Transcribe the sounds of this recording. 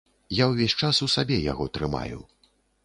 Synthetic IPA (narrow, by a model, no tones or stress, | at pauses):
jawvʲɛsʲt͡ʂasusabʲɛja̰ɣɔt̪ɾɨma̰jṵ